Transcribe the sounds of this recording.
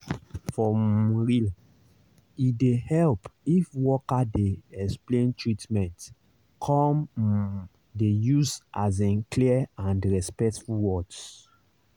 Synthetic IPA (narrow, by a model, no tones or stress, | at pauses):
fɔ̃mɹil | idehɛlpifwɔkadeɛksplẽntʰɹitmɛ̃nt | kʰɔ̃m | dejuzʔaz̬ĩnkliãndɹɛspɛktfulwɔd